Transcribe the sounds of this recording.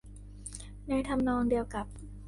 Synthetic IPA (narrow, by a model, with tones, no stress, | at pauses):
na˧jt̪ʰa˧mnɔː˧ŋdi˧əwka˨˩p̚